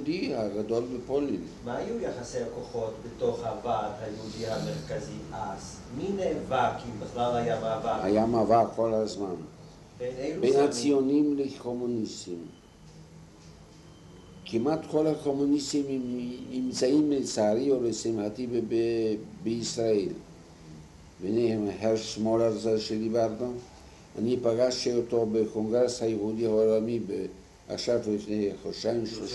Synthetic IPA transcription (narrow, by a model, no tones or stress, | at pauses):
ud̪ihaɡado̞lbepo̞lin | maːjujaχasejlakoχo̞t̪betoχhavathajehud̪iameʁkaziʔaz | minevakimbiχlalajamavahajamavako̞lhazman | benebejnhat͡sijo̞nimleko̞munisim | kimat̪kʰolakomunisimimt͡saimːet͡saaɾiobesiimhat̪ibebebeisɾael | benejhemheɾʃmolazaʃelivaɾno | a̰nipaɡaʃeot̪obekoŋɡɾeshajehud̪ihaolamibe | a̰χʃavlifnexoʃajmʃo